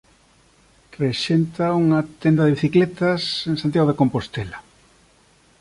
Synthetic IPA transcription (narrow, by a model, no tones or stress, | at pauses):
reʃent̪auŋat̪end̪ɐðeβiθiklet̪ɐsensant̪jaɣoekompost̪ela